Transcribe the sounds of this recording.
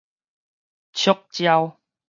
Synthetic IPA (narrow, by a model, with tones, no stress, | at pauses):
t͡ɕʰo˦k̚t͡ɕja˧w